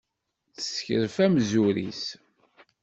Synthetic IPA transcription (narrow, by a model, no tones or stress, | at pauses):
θə̥sçəɾfæmzuɾḭs